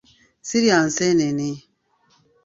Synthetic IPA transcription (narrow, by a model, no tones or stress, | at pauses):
siɾian̩sɛneni